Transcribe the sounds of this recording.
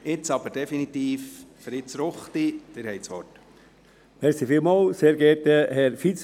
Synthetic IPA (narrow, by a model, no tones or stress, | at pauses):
ɪt͡sɑb̥əɾd̥ɛfinit̪iːffɾɪt͡sɾʊχt̪id̪̥ɪɾhɛɪjsʋɔt | mɛɾsifiːlmɑːlseːɾɡ̥ɛɾtəhɛɾfit͡s